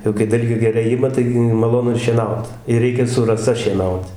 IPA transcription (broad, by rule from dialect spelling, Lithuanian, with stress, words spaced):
jɛʊ kɐɪ ˈdɐlʲɡʲeː ɡʲɛˈrɐɪ ˈɪmɐ ˈtɐɪɡʲɪ mɐˈlˠoːnʊ ɪr ʃʲiɛˈnɐʊt ɪr ˈrʲɛɪkʲɛ sʊ rɐˈsɐ ʃʲiɛˈnɐʊt